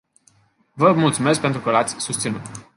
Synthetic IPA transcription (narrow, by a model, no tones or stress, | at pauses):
vəmult̪sume̞sk̚pe̞nt̪ɾukəlat̪sʲsust̪sinut̪